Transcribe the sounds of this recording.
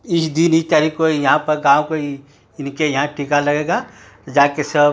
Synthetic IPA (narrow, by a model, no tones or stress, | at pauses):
ɪsd̪init̪aɾikojɐɦãpɐɾɡãːõkoi | ɪnkejɐɦãʈʰiːkalɐɡeːɡa | d͡ʒaːkesəb